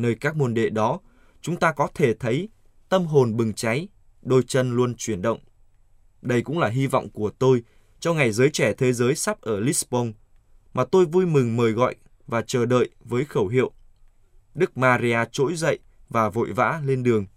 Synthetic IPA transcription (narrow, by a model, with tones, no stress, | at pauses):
nəː˧jkaː˦˥k̚mu˧nɗḛ˧˨ɗɔ˨˦ | t͡ɕʊ˨˦ŋ͡mt̪aː˧kɔ˨˦t̪ʰe˧˩t̪ʰə˨˦j | t̪ə˧mɦo˨˩nɓɨ˨˩ŋt͡ɕa˨˦j | ɗo˧jt͡ɕə˧nlu˧ənt͡ɕwi˧˩ənɗə̰˧˨wŋ͡m | ɗə˧jkʊ̰˧˥ŋ͡mlaː˨˩ɦi˧vɔ̰˧˨wŋ͡mku˧˩ət̪o˧j | t͡ɕɔ˧wŋ͡mŋa˨˩jzəː˨˦jt͡ɕɛ˧˩t̪ʰe˨˦zəː˨˦jsa˦˥p̚ʔəː˧˩li˦˥sɓo˧n | maː˨˩t̪o˧jvu˧jmɨ˨˩ŋməː˨˩jɣɔ̰˧˨j | vaː˨˩t͡ɕəː˧˩ɗə̰ː˧˨jvəː˨˦jxə˧˩wɦḭ˧˨ə˨w | ɗɨ˦˥k̚maː˧zi˧aː˧t͡ɕo̰˧˥jzə̰˧˨jʔ | vaː˨˩vo̰˧˨jva̰ː˧˥le˧nɗɨ˨˩əŋ